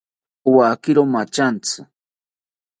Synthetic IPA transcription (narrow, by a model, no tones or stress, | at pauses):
wakɪɾomat͡ʃant͡sɨ